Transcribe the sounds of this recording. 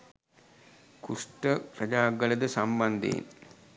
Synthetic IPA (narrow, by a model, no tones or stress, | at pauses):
kusʈəkɾɐd͡ʒaːɡələd̪əsamband̪ḛn